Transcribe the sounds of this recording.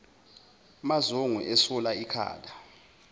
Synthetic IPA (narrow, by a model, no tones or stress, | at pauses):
mazoŋṵʔɛsulaikʰa̰ːla